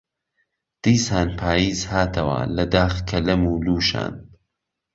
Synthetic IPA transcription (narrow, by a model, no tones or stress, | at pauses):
d̪̥iːsaːnpʰaːjiːzhaːt̪ʰɐwɐ̰lɐd̪aːxkʰɐlɐmuːluːʃa̰ːn